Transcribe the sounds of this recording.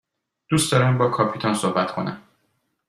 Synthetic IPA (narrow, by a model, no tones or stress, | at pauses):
d̪̥uːstd̪ɒːɾæmbɒːkʰɒːpʰiːt̪ʰɒnsohbæt̪kʰo̞̰næ̰m